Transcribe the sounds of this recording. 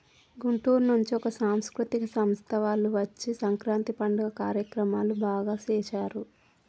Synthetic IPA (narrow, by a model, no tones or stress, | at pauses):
ɡuɳʈuːɾnuɲt͡ʃiɔkɐsaːmskɾut̪ikɐsɐmst̪ʰɐʋaːluʋɐt͡ʃːisɐŋkɾaːnt̪ipɐɳɖɐɡɐkaːɾjɐkɾɐmaːlubaːɡaːt͡ʃɛːʃaːɾu